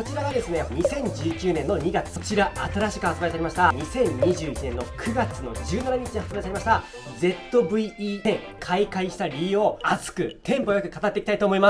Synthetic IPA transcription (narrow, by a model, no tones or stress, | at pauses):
kot͡ɕiɾaβad̪e̞sɨne̞ɲ̟isẽ̞ɲ̟d͡ʑɨːkʲɨːnẽ̞nːo̞ɲ̟iɡat͡sɨ̥ot͡ɕiɾaat̪aɾaɕi̥kɯ̟at͡sɨbait̪aɾʲimaɕi̥t̪aɲ̟isẽ̞ɲːiʑɨːit͡ɕinẽ̞nːo̞kʰɯ̟ɡat͡sɨno̞̰d͡ʑɨːnanaɲ̟it͡ɕiɲihat͡ssɨbaɾit̪aɾʲimaɕi̥t̪a | d͡ze̞t̪ːo̞bɯ̟iiːẽ | kʰaikaiɕi̥t̪aɾʲioat͡sɨ̥kɯ̟t̪ʰẽ̞mpo̞jokɯ̟kat̪at̪ːe̞kit̪ait̪oːmo̞ima